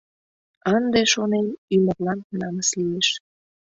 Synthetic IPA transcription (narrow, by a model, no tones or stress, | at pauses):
ɑnd̪eʃonenymərlɑnnɑməslieʃ